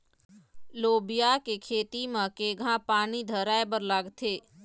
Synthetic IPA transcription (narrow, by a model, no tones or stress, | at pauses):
loːbijakekʰeːt̪imãkeːɡʱãpaːnid̪ʱəɾaːebəɾlaɡt̪ʰeː